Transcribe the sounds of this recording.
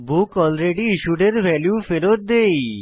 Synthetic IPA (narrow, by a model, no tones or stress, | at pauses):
bukɔlɾeɖiiʃuɖeɾbʱɛljufeɾot̪̚d̪ej